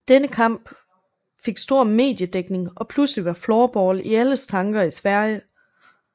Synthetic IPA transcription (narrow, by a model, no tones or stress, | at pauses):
d̥enəkʰɑ̈m̰b̥ | fe̝ɡ̥sd̥o̝ɐ̰me̝̰ːd̥jəd̥eɡ̥ne̝ŋʔɒ̽pʰlusliʋɑ̈flɒːb̥ɒːliæləst͡sʰɑ̈ŋɡ̥ɐisʋæɐ̰jə